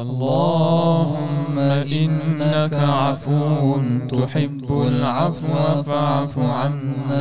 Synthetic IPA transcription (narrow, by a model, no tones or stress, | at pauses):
ʔɑlːɑːhʊmːaʔʔɪnːaakaʕafut̪ʊʊħɪbːalʕafwafaʕafʕanːa